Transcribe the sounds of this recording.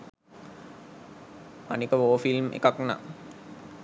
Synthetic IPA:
a̰nikəʋoːfilmḛkakna̰

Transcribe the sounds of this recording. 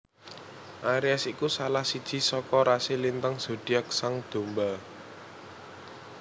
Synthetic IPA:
ʔaɾiasikusalahsid̥ʒ̥i̤sɔkɔɾasilint̪əŋz̥o̤d̪̥iak̚saŋd̪̥o̤mbal

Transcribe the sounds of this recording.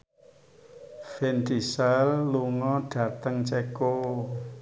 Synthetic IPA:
fɛnt̪isɛlːuŋɔɖ̥ä̤t̪əŋt͡ʃeko

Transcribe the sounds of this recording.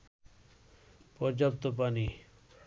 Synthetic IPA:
pɔɾd͡ʑap̚t̪opani

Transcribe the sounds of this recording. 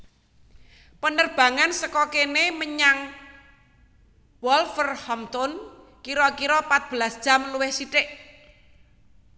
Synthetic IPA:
pənərb̥ä̤ŋansəkɔkeneməɲaŋ | wɔlfərhɔmt̪ʊn | kiɾɔkiɾɔpat̪̚b̥əlasd̥ʒ̥a̤mluwɪhsiʈɪʔ

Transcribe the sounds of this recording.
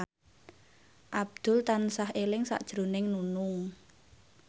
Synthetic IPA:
ʔab̚d̪̥ʊ̤lt̪ansahʔelɪŋsa̰ʔd̥ʒ̥ɾo̤nɪŋnunʊŋ

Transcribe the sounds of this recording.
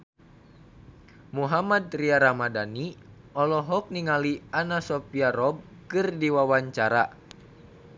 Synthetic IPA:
muɦamadriaɾamadani | ɔlɔɦɔk̚niŋalianasɔpiaɾɔb̚ | kɨrdiwawaɲt͡ʃaɾa

